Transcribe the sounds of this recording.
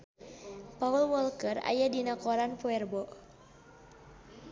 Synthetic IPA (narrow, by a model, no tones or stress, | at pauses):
paulwɔlkəra̰jadinakɔɾanpuɛrbɔʔ